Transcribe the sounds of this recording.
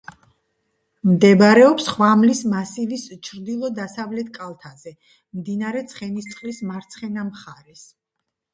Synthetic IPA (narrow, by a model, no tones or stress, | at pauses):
md̪ɛbɾɛɔpsχwamlismasilist͡ʃʰɾd̪ilˠɔd̪asavlɛt̪ʰkʼalˠt̪ʰazɛ | md̪inaɾɛt̪sʰχɛnist̪sʰχlismaɾt̪sʰχɛnamχaɾɛs